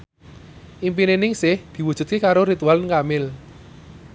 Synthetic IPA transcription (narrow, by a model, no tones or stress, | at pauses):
ʔimp̬inenɪŋsɪhd̪̥i̤wu̥ʒ̥ṳt̪̚kekaɾoɾit̪ualnkamɪl